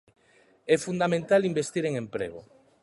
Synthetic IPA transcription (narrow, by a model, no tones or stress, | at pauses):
ɛfund̪amẽnt̪alimbest̪iɾeŋempɾḛɣ̞o